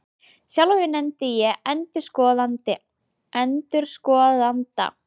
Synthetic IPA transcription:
sjawlojɪnɛmt̪ɪjɛɛnt̪ʏɾ̥skɔːðant̪ɪ | ʔɛnt̪ʏɾ̥skɔːðant̪a̰

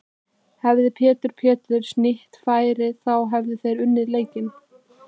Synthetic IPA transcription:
hɛvðɪpʰɛːt̪ʏɾ̥pʰɛːt̪ɾʏɾ̥snɪht̪faːjɾɪθawɦɛvðɪθejɾʏnːɪðleːjcɪn

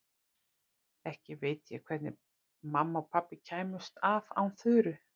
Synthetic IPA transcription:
ɛhcɪvejt̪jɛ̰kʰv̥ɛt̪nɪ̰ | mamːaɔpʰapːɪcʰaːjmʏst̪ava̰wnθʏːɾʏ

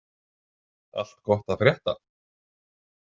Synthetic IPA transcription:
a̰l̥t̪kɔht̪aðfɾjɛht̪a̰

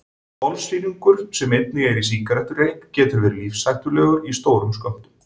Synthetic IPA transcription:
pɔlsiːniŋkʏɾ̥sɛmet̪̚nɪɛɾis̬iŋkaɾɛht̪ʏrejŋkcɛːt̪ʏɾvɛɾliːfsajht̪ʏlɛːɣʏɾist̪oːwɾʏmskœm̥t̪ʏm

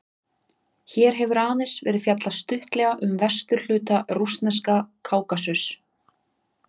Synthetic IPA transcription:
çɛːɾ̥ɦɛvʏɾaːðɪsvɛːɾɪðfjat̪last̪ʏht̪lɛɣaʔʏmvɛr̥st̪ʏɾl̥ʏːt̪arust̪nɛskakʰaːwkasʏs

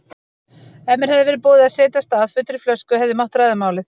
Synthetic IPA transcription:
ɛmːɛɾhɛðɪvɪɾpɔːðɪaðseːt̪ast̪aːðfʏːt̪ɾʏflœskʏhɛvðʏmawht̪ɾaːjðamaːwlɪθ

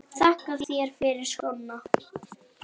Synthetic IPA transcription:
θɛhkaðjɛɾ̥fɪɾɪɾ̥skɔna

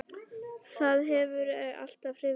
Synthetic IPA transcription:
θaðɦɛvʏɾɛɣa̰l̥t̪avrɾɪ

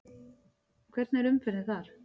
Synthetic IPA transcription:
kʰvɛɾt̪nɛɾʏmfɪɾnɪθaɾ̥

